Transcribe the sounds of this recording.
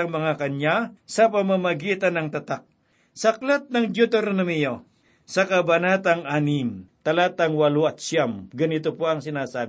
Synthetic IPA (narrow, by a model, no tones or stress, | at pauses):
ɐŋmɐŋakɐɲjasɐpɐmamɐɡiːt̪ɐnːɐŋt̪ɐt̪ak̚ | sɐklat̪̚nɐŋd͡ʒot̪oɾnomijo | sɐkɐbɐnat̪ɐŋanimt̪ɐlat̪ɐŋwɐloɐt̪̚ʃjamɡɐnɪt̪opoɐŋsɪnaːsaːb